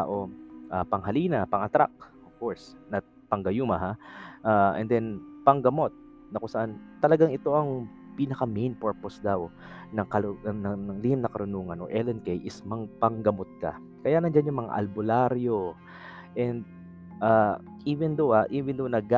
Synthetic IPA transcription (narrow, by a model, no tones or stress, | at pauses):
aʔo̞ʔapɐŋɦɐliːnɐpɐŋɐt̪ɾa̰k̚ʔofkoɹsnɐ | pɐŋɡɐjumɐɦaʔaʔɛ̰nd̪ɛnpɐŋɡɐmo̞t̪̚ | nɐkʊsɐʔant̪ɐlɐɡaŋɪt̪o̞ʔɐŋ | piːnɐkɐmejnpɛɹposd̪aw | nɐŋkɐnɐnɐŋlɪhɪmnɐkɐɾʊnuːŋɐnʔo̰ʔɛlɛnkɛjʔɪsmɐŋpɐŋɡɐmot̪̚ka̰ | kɐjanɐnd͡ʒanjʊŋmɐŋa̰ʔɐ̰lbʊlaɾjo | ʔɛnd̪̚ | ʔaː | ʔivɛnd̪ohaʔiːvɛnd̪ownɐɡa